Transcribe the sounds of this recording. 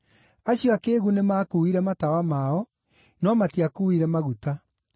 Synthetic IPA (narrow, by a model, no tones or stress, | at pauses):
aɕjɔakeːɣunemaːkuiɾɛmatawamaɔ | nɔmatiakuiɾɛmaɣuta